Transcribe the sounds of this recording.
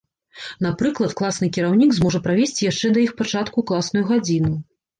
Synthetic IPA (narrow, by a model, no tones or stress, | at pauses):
n̪apɾɨklˠɐt̪klˠasnɨkʲiɾawnʲiɡzmɔʐɐpɾavʲesʲt͡sʲijaʂt͡ʂɛd̪ɐjixpat͡ʂat̪kuklˠasnujuɣad͡zʲinu